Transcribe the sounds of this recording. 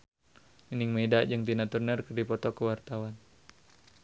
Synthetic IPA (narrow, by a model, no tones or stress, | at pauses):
miniŋmedad͡ʒəŋt̪inat̪urnərkərdipɔt̪ɔkəwart̪awan